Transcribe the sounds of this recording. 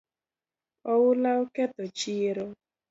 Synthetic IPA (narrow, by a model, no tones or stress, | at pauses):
ɔwʊlaoketɔt͡ʃiɾo